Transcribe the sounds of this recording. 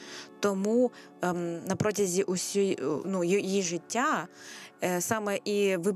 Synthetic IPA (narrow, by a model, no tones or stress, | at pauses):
t̪ɔmu | nɐpɾɔtʲɐzʲiʔʊsʲujnujjiʒɪtʲːa | sɑmɛʔiʋɪ